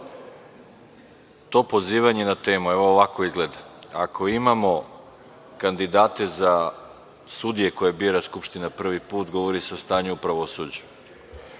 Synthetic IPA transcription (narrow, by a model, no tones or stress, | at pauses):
t̪o̞ːpo̞ziːʋaɲe̞nat̪e̞ːmueʋo̞oʋako̞izɡle̞d̪aa̰kʰo̞imamo̞ | kand̪id̪aːt̪e̞za | sud̪ije̞ko̞jebiːɾaskupʃt̪inapr̩ʋipuːt̪ɡo̞ʋo̞ɾise̞o̞st̪aːɲuupɾaʋo̞sud͡ʑu̥